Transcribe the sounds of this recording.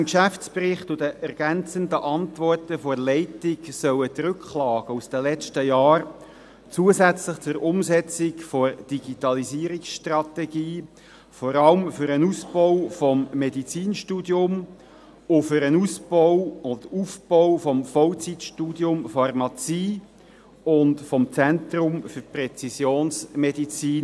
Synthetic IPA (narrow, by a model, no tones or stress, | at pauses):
nkʃæft͡spɾɪχtʊdəʔɛɾɡ̥ænt͡sənd̪əʔɑnt̪vɔrtəfɔɾlɛɪtɪksœwət̪ɾʏkχlɑːɡ̥əusd̥əlɛt͡ʃtəjɑːr | t͡suəsæt͡sləχt͡sʊɾʊmsɛt͡sɪkfoɾd̥iɡ̥it̪ɑlisiːɾiksʃtrɑt̪ɛɡiː | fɔɾɑlmfʏɾənusbɔʊfɔmːedit͡siːnʃtuːdjʊm | ʊfʏɾənusbɔʊɔdəufb̥ɔwfɔmfɔwt͡sitʃtuːdjʊmfɑrmɑt͡siː | ʊndfɔmt͡sɛnt̪ɾʊmfʏrprɛt͡sisjoːnsmɛdit͡siːn